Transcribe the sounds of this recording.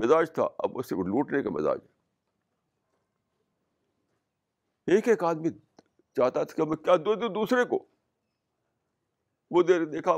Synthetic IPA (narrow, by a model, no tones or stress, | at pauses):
mɪzaːd͡ʒt̪ʰa̰ɐ̰bʊ̰seluːʈnekamɪ̰za̰ːd͡ʒɦɛː | eːkeːkaːd̪mi | t͡ʃaːt̪at̪ʰkiɦɐmkjaːd̪od̪od̪uːsɾeko̰ː | ʋoːd̪eːd̪eːkʰa